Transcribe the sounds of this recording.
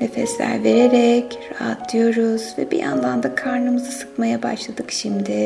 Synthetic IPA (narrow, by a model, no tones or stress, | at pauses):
ne̞fɛslʲæ̰ɾve̞ɾeɾɛcɾaɦa̰t̪̚d̪ijo̞ɾuzvɛ̰bḭja̰nlˠand̪akʰaɾnɯmɯzɯsɯ̥kmajaba̰ʃlˠad̪ɯkʃimd̪ɪ